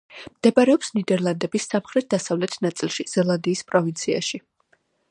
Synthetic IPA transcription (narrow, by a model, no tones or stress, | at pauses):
md̪̥ɛbaɾɛɔpsnid̪ɛɾlˠand̪ɛbisamχɾɛt̪̚ʰd̪asavlɛt̪ʰnat̪sʼilˠʃiz̥ɛlˠand̪iːspʼɾɔvint̪sʰia̰ʃi